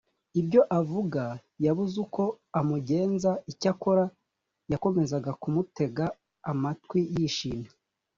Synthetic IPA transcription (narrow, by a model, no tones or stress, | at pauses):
ibɟo̞ʔavuɡajaβuzuko̞ | amuɟe̞ːnzaicakoɾa | jako̞me̞zaɡakumute̞ɡaː | matwijiʃina